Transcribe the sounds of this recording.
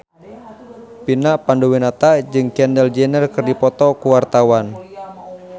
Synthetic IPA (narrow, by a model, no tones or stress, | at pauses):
pinaʔpandowinat̪ad͡ʒɨŋkɛndɛld͡ʒɛnərkɨrdipɔt̪ɔkuwart̪awan